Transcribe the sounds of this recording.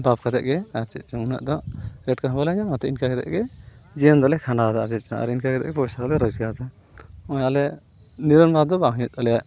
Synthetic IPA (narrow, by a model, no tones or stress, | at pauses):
bap̚kʰad̪ɛ̰ʔɡɛaɾt͡ʃɛt̪̚ˀt͡ʃɔmuna̰ʔd̪ɔʔɾɛʈ̚kaɦɔbalaɲamat̪ɔinkakɛd̪ɛ̰ʔɡɛd͡ʒijɔnd̪ɔlɛkʰanad̪aaɾd͡ʒɛt̪̚t͡ʃɔa̰ɾinkakɛd̪ɛ̰ʔɡɛpɔsaɡɔlɛɾɔd͡ʒɡad̪a | ɔjalɛ | niɾɔnbad̪ɔbaŋɦɲut̪̚ˀɔlɛjaʔ